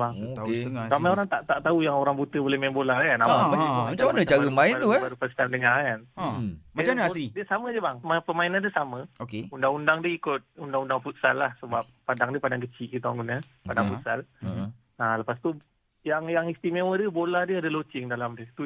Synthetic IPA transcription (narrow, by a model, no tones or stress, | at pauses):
baŋ | samajoɾaŋt̪aʔt̪aʔt̪aujaŋoɾaŋbut̪əbolɛhmaɪnbolaɾkanaaamat͡ʃamanət͡ʃaɾəmaɪat̪ubaɾupəst̪amdəŋakanamat͡ʃamnaaidiəsamədiəbaŋmapəmainandiəsamə̃okeundaŋundaŋdiəikʊt̪̚undaŋundaŋfut̪̚sa̰lːahsəbap̚ːadaŋdiəpadaŋkət͡ʃiʔɡit̪awaŋɡunə | padaŋfut̪sal | aləpast̪u | jaŋjaŋist̪imẽwədiəbolahdiəadəlot͡ʃɪŋdalamdiət̪u